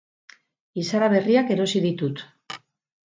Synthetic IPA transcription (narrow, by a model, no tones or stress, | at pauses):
isaɾaβ̞e̞riake̞ɾo̞siðit̪ut̪